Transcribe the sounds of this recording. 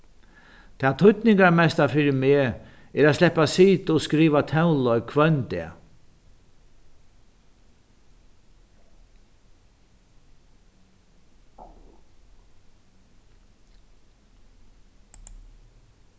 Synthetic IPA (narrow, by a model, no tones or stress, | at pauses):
t̪ʰaːt̪ʰʊt̪nɪŋkaɾmɛst̪afɪɾɪmeː | ɛɾad̪slɛhpːasiːt̪ɔskɾiːʋat̪ʰɛwlɔɥkʰvœnt̪ɛ̰